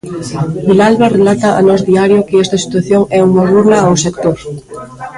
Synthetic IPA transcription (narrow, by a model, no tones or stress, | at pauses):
bilalβarelat̪ɐʔa̰nɔzðiaɾjokɪɛst̪ɐsi̥t̪waθjoŋɛuŋɐruɣlɐawsekt̪oɾ